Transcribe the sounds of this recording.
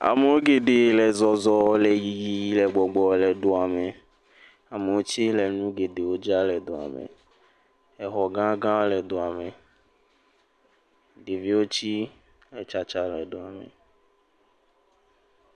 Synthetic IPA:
a̰˨me˨wo˦ɡe˨ɖe˨lɛ˨zɔ˨zɔ˨˦lɛ˨ji˨ji˦ji˦lɛ˨ɡ͡bɔ˨ɡ͡bɔ˨lɛ˨ɖo˨a˨me˨ | a˨me˨wo˦t͡ʃi˦lɛ˨nũ˦ɡe˨ɖe˨wo˦d͡ʒa˦lɛ˨d̪o˨a̰˨mḛ˨ | ɛ˨xɔ˨ɡã˦ɡã˦lɛ˨d̪o˨a˨me˨ | ɖe˨vi˦wo˦t͡ʃi˦ | lɛ˨t͡ʃa˨t͡ʃa˦lɛ˨ɖo˨a˨mḛ˨

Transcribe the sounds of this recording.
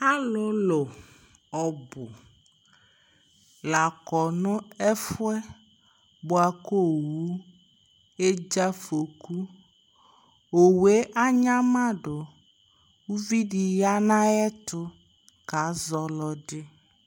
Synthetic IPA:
a˦lʊ˨˦lo˨ | ɔ˨bʊ̰˨ | la˨kɔ˨nʊ̃˦ɛ˦fʊ˦ɛ˦ | bʊ˦a˨ko˦wu˦ | e˦d͡ʒa˦fo˨ku˦ | o˨we˨˦ʔa˦ɲã˦mã˦ɖʊ˨ | u˦vi˦di˨ja˦nã˦ɛ˦tʊ˦ | ka˨˦zɔ˨lɔ˨ɖɪ˦

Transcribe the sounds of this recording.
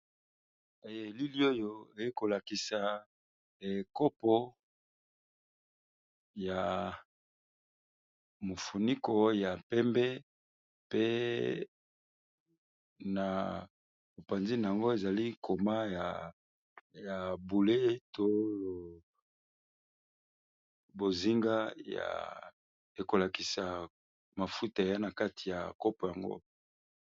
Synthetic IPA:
e˨je˨li˦li˦o˦jo˦e˨je˦ko˨la˨ki˨sa˨ | e˨ko˦pɔ˦ | ja˨ | mo˨fu˨ni˦ko˨ja˨pɛ˦mbɛ˦ | pe˦ | na˨ | bo˨pa˨nzi˦na˨a˨ŋɡo˦e˨za˨li˦kʰo˨ma˦ja˨ | ja˨bu˨le˦to˦jo˨ | bo˨zi˦ŋɡa˦ja̰˨ | e˨ko˨la˨ki˨sa˨ | ma˨fu˦ta˨ja˦na˨ka˦ti˨ja˨ko˦po˨ja˨ŋɡo̰˦

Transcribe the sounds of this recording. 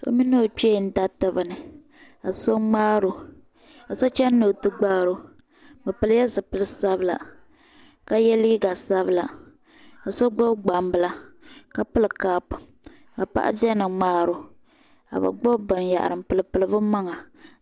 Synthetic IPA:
so̰˦mi˦no˦˨t͡ʃe˦˨n̩˦da˦tɨ˦bɨ˨nɨ˨ | a˨so˦ŋ͡maː˦ɾo˨ | a˨so˦t͡ʃɛ˦nː˦o˨tɨ˦ɡ͡baː˦ɾo˦ | bɨ˨pɨ˦lɨ˦jɛ˦zɨ˨pɨ˦lɨ˦sa˦bɨ˦la̰˨ | ka˦jɛ˦liː˦ɡa˨sa˦βɨ˦˨la˨ | a˨so˦ɡ͡bo˦ɡ͡ba˨mbɨ˦la˨ka˦pɨ˦lɨ˨kaː˦p | a˨pa̰˦ʔa̰˦bjɛ˦nɨ˨ŋ͡maː˦ɾo˨ | a̰˨ba̰˨ɡ͡bo˦bɨ˨nja̰˨ʔa̰˨ɾɨ˨mpɨ˨lɨ˨pɨ˨lɨ˦bɨ˦ma˦ŋa˨

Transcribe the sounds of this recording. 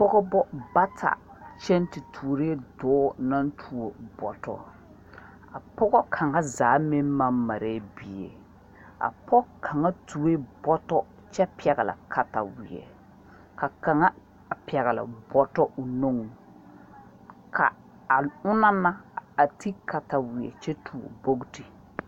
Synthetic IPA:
pɔ˦ɡɔ˦bɔ˦ba˦tʰa̰˨t͡ʃɛ˦nti˨tʰuː˨ɾe˦dɔː˦na˦n˦tʰu˨o˨bɔ˨tɔ̰˦˨ | a˨pɔ˦ɣɔ˦kʰa˨ŋa˦zaː˨˦me˦m˦ma˦ma˨ɾɛ˦bi˨ḛ˨ | a̰˨pɔ˦kʰa˨ŋa˦tʰu˨˦e˦bɔ˦tɔ˦ | t͡ʃɛ˦pi˦ɛ˨ɡa˨la̰˨kʰa˦ta̰˨wɪ̰˨ɛ̰˨ | ka˨ka˨ŋa˦˨ | pi˨ɛ˨ɣa˨la̰˨bɔ˨tɔ˦ʔʊ˨no˦ŋu˨ | kʰa̰˨ | a˨ʊ˦na˦ma˦a˨ti˦ka˨ta˨wɪ˨ɛ̰˨t͡ʃɛ˦tʰu˨o̰˨bo˦ɡti˨

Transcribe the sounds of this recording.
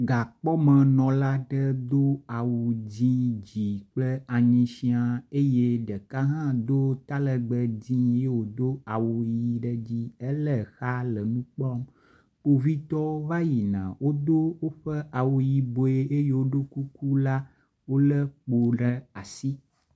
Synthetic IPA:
ɡa˨k͡pɔ˦mə̃˨nɔ̃˨la˦ɖə˦d̪o˦a˨wu˨d͡ʑĩ˦d͡ʑi˨k͡plə˦a˨ɲĩ˨ʃi˦a˨e˦je˦ɖə˨ka˦ɦã˦d̪o˦t̪a˦lə˨ɡ͡bə˨d͡ʑĩ˦je˦wo˨d̪o˦a˨wu˨ji˨ɖə˦d͡ʑi˦e˦lə˨xa˦lə˨nũ˦k͡pɔ˦m | k͡po˦vi˦t̪ɔ˦wo˦va˦ji˨nã̰˨wo˦d̪o˦wo˦ɸə˦ʔa˨wu˨ji˨bo˨e˦ʔe˦je˦wo˦ɖo˦ku˦ku˦la˦ | wo˦lə˦k͡po˨ɖə˦a˨si˦

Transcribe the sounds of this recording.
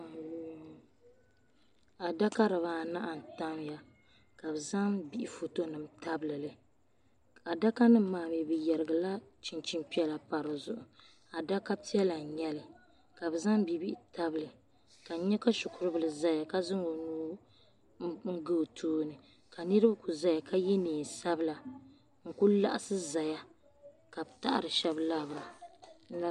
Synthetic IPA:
a˨da˦ka˦ɾɨ˨βaː˦˨na˦ʔa˨n̩˨ta˦mja˨ | ka˨bɨ˨za˦ŋbi˦ʔɪ˨fo˨to˦nɨ˨mta˦bɨ˦lɨ˨lɨ˨ | a˨da˦ka˦nɨ˦m̩˦maː˨m˨ɛ˨bɨ˨jɛ˨ɾɨ˨ɡɨ˨la˦t͡ʃi˨nt͡ʃi˦mpi˦ɛ˦la˨pa˨ɾɨ˨zʊ˨ʔʊ˨ | a˨da˦ka˦pi˦ɛ˦la˨ɲɛ˦lɨ˨ | ka˨bɨ˨za˦ŋbi˨bi˦ʔta˦bɨ˦lɨ˨ | ka˨˦ɲɛ˦ka˦ʃʊ˨kʊ˨ɾɨ˦bɨ˨lɨ˨za˨ja˨ka˦zɨ˦ŋo˨nuː˦ | ŋ̩˦ɡɨ˦˨tʰuː˦nɨ˨ | ka˨nɨ˦ɾɨ˦ba˦ku˨za˨ja˨ka˦jɛ˦niː˨n˨sa˦bɨ˦la˨ | ŋ̩˨ku˦la̰˦ʔa˦sɨ˦za˨ja˦ | ka˨bta˦ʔa̰˦˨ɾɨ˨ʃɛ˨bla˦˨bɾa˨˦

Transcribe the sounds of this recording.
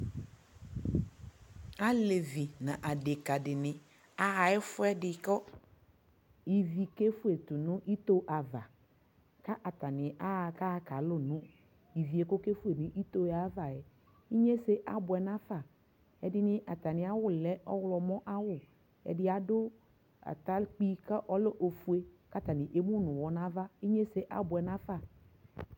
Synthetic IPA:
a˦le˨vi˨nã˨ʔa˨de˨ka˨dɪ˨nɪ̃˨ | a˦a˨ɪ˦fʊ˦ɛ˦dɪ˨˦kɔ˦ | i˨vi˨ke˦fu˦e˨tʊ˨nʊ̃˦ʔi˦to˦ʔa˨va˨ | ka˦ʔa˨ta˨nɪ̃˨ʔa˦˨ka˦ka˨lʊ˦nʊ̃˦ | i˨vi˨e˨ko˦ke˦fu˦e˨nɪ̃˦ʔi˦t̪o˦˨a˨˦va˨ɛ˨ | i˦ɲe˦se˦ʔa˨bʊ˨ɛ˨nã˦fa˨ | ɛ˨dɪ˦nɪ̃˦ʔa˨t̪a˨nɪ̃˨a˨wʊ˦lɛ˦ɔ˦wlɔ˨mɔ̃˦ʔa˦wʊ˨ | ɛ̰˨dɪ˦a˨dʊ˦ | a̰˨ta˦k͡pi˦ka˦ʔɔ˦lo˦ʔo˨fu˦e˦ka˦t̪a˨nɪ̃˨ʔe˦mũ˦nʊ̃˨wɔ˨nã˦va˦i˦ɲe˦se˦ʔa̰˨bʊ˨ɛ˨nã˦fa˦˨

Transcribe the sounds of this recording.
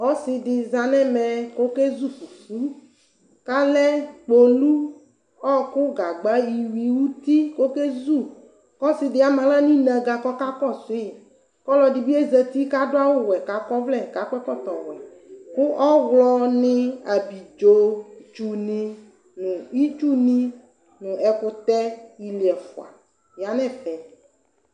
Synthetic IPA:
ɔ˦sɪ˨dɪ˨za˨nɛ˦mɛ˨ko˦ke˦zu˦˨fu˨fu˦ | ka˦lɛ˦k͡po˨lu˦ | ɔ˦kʊ˦ɡa˨ɡ͡ba˦ji˨wi˨wu˦t̪i˦ko˦ke˦zu˦˨ | kɔ˦sɪ˨dɪ˨a˨mã˨la˦nĩ˦nã˨ɡa˨kɔ˦ka˦kɔ˦si˦˨ | kɔ˦lɔ˨ɖi˨bi˦e˦zɛ˨t̪i˦ka˦ɖʊ˦a˦wo˦wɛ˨ka˨kɔ˦vlɛ˦˨ka˨kɛ˦kɔ˦t̪ɔ˨wɛ˨kʊ˦ʔɔ˦ɣlɔ˦nɪ̃˦a˨bi˨d͡ʒo˦d͡ʒu˨nĩ˦ | nʊ̃˨i˦t͡ʃu˦nĩ˦ | nʊ̃˨ɛ˨kʊ˦t̪ɛ˦i˨li˨ɛ˨fʊ̰˨a̰˨ | ja˨nɛ̃˨fɛ˨

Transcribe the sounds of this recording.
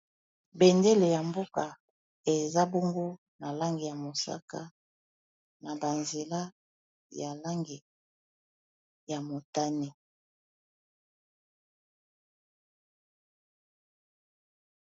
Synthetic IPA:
be˨nde˦le˨ja˨mbo˦ka˨ | e˨za˦bo˦ŋɡo˦ | na˨la˦ŋɡi˨ja˨mo˨sa̰˦ka̰˦ | na˨ba˨nze˨la˦ | ja˨la˦ŋɡi˨ | ja˨mo˨ta˦ne˨

